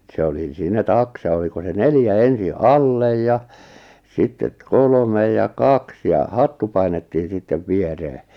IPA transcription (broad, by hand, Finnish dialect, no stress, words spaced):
se oli siːnæ tɑksɑ oliko se neljæ ensiʔ ʔɑlːej jɑ sitːet kolŏme jɑ kɑks jɑ hɑtːu pɑinetːiːn sitːeʋ ʋiereː